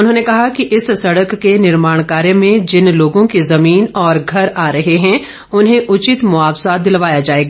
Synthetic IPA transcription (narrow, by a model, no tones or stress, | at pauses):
ʊnɦõːnekɐɦakiʔɪssɐɽəkːenɪɾmaːɽ̃kaːɾẽmẽd͡ʒɪnloːɡõkezɐmiːnɔːɾɡʱɐɾaːɾɐɦeɦɛ̃ | ʊnɦẽʔʊt͡ʃɪt̪mʊaːbsad̪ɪlʋaːjad͡ʒaːeːɡaː